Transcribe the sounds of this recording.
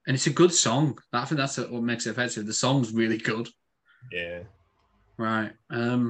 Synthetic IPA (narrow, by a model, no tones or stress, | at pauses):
ʔɨ̃nɨtsɨɡʊd̥sɔ̃ŋðəaɪθɪ̃ŋ̚ðætsəwʌt̚mɛɪksɨfɛsɨðəsɔ̃ŋzɹɪlˠiɡʊd̥ | jæ | ɹaɪt̚ʌ̃m